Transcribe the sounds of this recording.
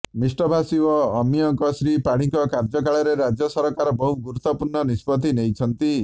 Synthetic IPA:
misʈɔbʱasiɔːmijɔŋkɔsɾipaɽ̃iŋkɔkaɾd͡ʒɔkaɭɔɾeɾad͡ʒjɔsɔɾɔkaɾɔbɔɦuɡuɾut̪ːɔpuɾɳɔnispɔt̪inejt͡ʃʰɔnt̪i

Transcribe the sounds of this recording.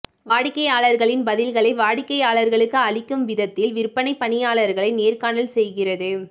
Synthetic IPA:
ʋaːɽɪkːɐjaːɭɐɾɣɐɭɪnbɐðɪlɣɐɭɐɪʋaːɽɪkːɐɪjaːɭɐɾɣɐɭɯkːɯɐɭɪkːɯmʋɪðɐt̪ːɪlʋɪɾɯpːɐnɐɪpːɐnɪjaːɭɐɾɣɐɭɐɪneːɾkaːnɐlsɛjɣɪrɐðɯ

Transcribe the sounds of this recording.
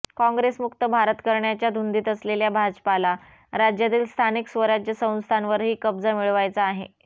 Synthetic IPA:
kɔ̃ŋɡɾesmukt̪əbʱaɾət̪kəɾɳjat͡ɕjad̪ʱund̪iːt̪əsleljabʱad͡zpala | ɾad͡ʑjat̪iːlst̪ʰaniksʋəɾad͡ʑjəsə̃w̃nst̪ʰanʋəɾɦiːkəbd͡zamiɭʋajt͡saːɦḛ

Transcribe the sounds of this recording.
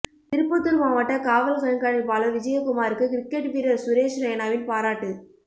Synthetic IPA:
t̪ɪɾɯpːɐt̪ːɯɾmaːʋɐʈːɐkaːʋɐlɐsɐnɐkaːɽɪlpaːlɐʋɪd͡ʒɐjɐkʊmaːɾɯkːɯkɪɾɪkːeʈʋiːɾɐɾsʊɾeːʃɾɐjɐnaːʋɪnpaːɾaːʈːɯ

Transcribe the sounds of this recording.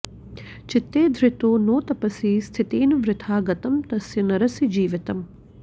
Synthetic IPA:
t͡ʃɪt̪ːeːd̪ʱɾɪt̪oːnoːt̪ɐpɐsiːst̪ʰit̪eːnɐʋɾɪt̪ʰaːɡɐt̪ɐmt̪ɐsjɐnɐɾɐsid͡ʒiːʋɪt̪ɐm

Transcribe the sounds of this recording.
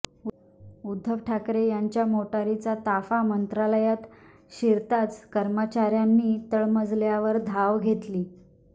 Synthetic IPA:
ud̪ʱːəʋʈʰakɾejaɲt͡ɕjamoʈaɾit͡sat̪afamənt̪ɾaləjat̪ | ɕiɾt̪at͡skəɾmət͡ɕaɾjanːiːt̪əɭməd͡zljaʋəɾd̪ʱaʋɡʱet̪liː

